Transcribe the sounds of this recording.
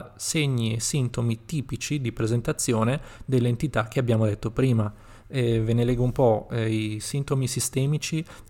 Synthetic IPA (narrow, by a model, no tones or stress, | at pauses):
seɲːiesːint̪omit̪iːpit͡ʃid̪ipɾezent̪at̪sːjoːned̪elːeent̪it̪ak̟eabːjaːmod̪et̪ːopɾiːma | ɛvenelɛːɡoumpɔisint̪omisist̪ɛːmit͡ʃi